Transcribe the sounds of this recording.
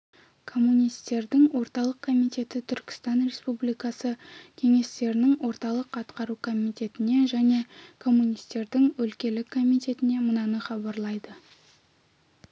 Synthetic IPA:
kʰo̞mːunijst̪e̞ɾd̪ɪŋwo̞ɾt̪ɑlˠəqkʰo̞mijt̪e̞t̪ɪt̪ʰʏɾkʲɪ̥st̪ɑnɾe̞spublijkɑsəkʲʰe̞ŋe̞st̪e̞ɾɪnɪŋwo̞ɾt̪ɑlˠəqɑt̪qɑɾukʰo̞mijt̪e̞t̪ɪne̞ʒæne̞kʰo̞mːunijst̪e̞ɾd̪ɪŋwɵlkʲe̞lɪkʰːo̞mit̪e̞t̪ɪne̞mənɑnəχɑbɑɾlˠɑjd̪ə

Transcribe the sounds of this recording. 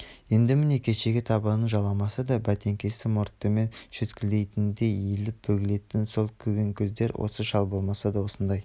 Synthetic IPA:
je̞nd̪ɪmɪne̞kʲʰe̞ʃe̞ɡʲɪt̪ʰɑbənəɴʒɑlˠɑmɑsɑd̪ɑbæt̪e̞ŋkʲʰe̞sɪmoɾt̪ːəme̞nʃɵt̪kʲʰɪld̪e̞jt̪ɪnd̪e̞elɪp̚bɵɡʲɪle̞t̪ɪnso̞lˠkʲʰɵɡʲe̞ŋkʲʰʏzd̪e̞ɾwʔo̞̰səʃɑlˠbo̞lˠmɑsɑd̪ɑwo̞sənd̪ɑj

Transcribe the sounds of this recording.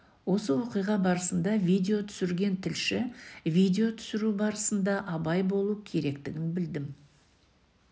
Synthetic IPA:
wo̞səwo̞qijʁɑbɑɾəsənd̪ɑvʲijd̪ʲe̞o̞t̪ʰʏ̥sɪɾɡʲe̞nt̪ʰɪlʃɪvʲijd̪ʲe̞o̞t̪ʰʏ̥sɪɾubɑɾəsənd̪ɑʔɑbɑjbo̞lˠukʲʰe̞ɾe̞kt̪ɪɡʲɪnbɪld̪ɪm

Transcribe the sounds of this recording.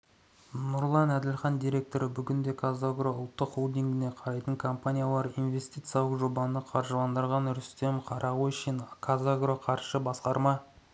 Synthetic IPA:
nʊɾlˠɑnæd̪ɪlχɑnd̪ijɾʲe̞k̚t̪o̞ɾəbʏɡʲɪnd̪e̞kʰazaɡɾoʊlˠt̪ːəqolˠd̪iŋɡʲɪne̞qʰɑɾɑjt̪əŋkʰo̞mpanʲijalˠɑɾijnve̞st̪ijt̪sjɑlˠəqʒo̞bɑnəqʰɑɾʒəlˠɑnd̪əɾʁɑnʏɾʏst̪e̞mqʰɑɾʔɑʁuɪʃɪnkʰazaɡroqʰɑɾʃəbɑsqɑɾmɑ

